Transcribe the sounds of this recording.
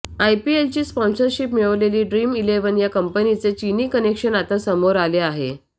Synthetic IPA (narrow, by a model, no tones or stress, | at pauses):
ajpielt͡ɕiːspɔ̃nsəɾɕipmiɭəʋleliːɖɾimileʋənjakəmpənit͡set͡ɕiniːkənekɕənat̪ə̃səmoɾaleaɦḛ